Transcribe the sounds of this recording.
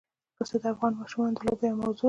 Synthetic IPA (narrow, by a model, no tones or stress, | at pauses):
ɾosed̪əafɣɑnmɑʃumɑnd̪əlobejamawzo